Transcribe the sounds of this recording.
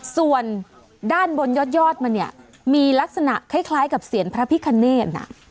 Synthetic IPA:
su˨˩ən | daː˥˩nbo˧njɔ˦˥˩t̪̚jɔː˥˩t̪̚ma˧ni˥˩ə | miː˧la˦˥k̚sa˧na̰˨˩ʔkʰa˦˥˩jkʰlaː˦˥jka˨˩p̚si˨˩˦ənpʰɾa˦˥pʰi˦˥kʰːa˧nːeː˥˩na̰˧˩ʔ

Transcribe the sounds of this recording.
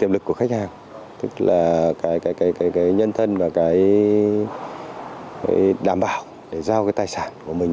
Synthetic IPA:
t̪i˧˨əmlɨ˨˩kːu˧˩əxa˦˥k̟̚haː˨˩ŋ | t̪ɨ˦˥k̚la̰ː˨˩kaː˨˦jkaː˨˦kaː˨˦jkaː˨˦jkaː˨˦jɲə˧nt̪ʰə˧nvaː˨˩kaː˨˦j | aː˧˨˦jɗaː˧˩mɓa̰ː˧˨w | ɗe˧˩zaː˧wkaː˨˦jt̪aː˧˨˩jsaː˧˩nku˧˩əmï˨˩ŋ

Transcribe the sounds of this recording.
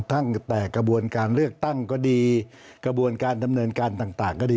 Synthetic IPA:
t̪ʰa˥˩ŋt̪ɛː˨˩ka˧bu˧ənkaː˧nlɯ˥˩ək̚t̪a˥˩ŋkɔː˥˩diː˧ | ka˧bu˧ənkaː˧nda˧mnɤː˧nkaː˧nt̪aː˨˩ŋt̪aː˨˩ŋkɔː˥˩iː˧

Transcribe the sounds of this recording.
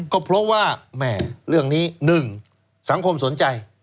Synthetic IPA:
kɔː˥˩pʰɾɔ˦˥waː˥˩mɛː˧˩ɾɯ˥˩əŋniː˦˥nɯ˨˩ŋ | sa˩˦ŋkʰo˧mso˨˩˦nt͡ɕa˧j

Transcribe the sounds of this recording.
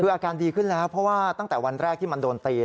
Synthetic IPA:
ɯː˧ʔaː˧kaː˧ndiː˧kʰɯ˥˩nlɛː˦˥wpʰɾɔ˦˥waː˥˩t̪a˥˩ŋt̪ɛː˨˩wa˧nɾɛː˥˩k̪̚ʰiː˥˩ma˧ndoː˧nt̪iː˧

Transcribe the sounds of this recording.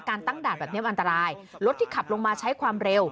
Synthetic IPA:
kaː˧nt̪a˥˩ŋdaː˨˩t̪̚bɛ˨˩ni˥əmʔa˧nt̪a˧ɾaː˧jlo˦˥t̪ʰːiː˥˩kʰa˨˩p̚lo˧ŋmaː˧t͡ɕʰa˦˥jkʰwaː˧mɾe˧w

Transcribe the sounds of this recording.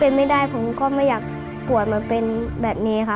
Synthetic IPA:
pe˧nma˥˩jdaː˥˩jpʰo˩˦mkɔː˧˥˩maː˥˩jaː˨˩k̚ | pu˨˩ət̪̚maː˧pe˧nbɛː˨˩p̚niː˦˥˧kʰa˦˩

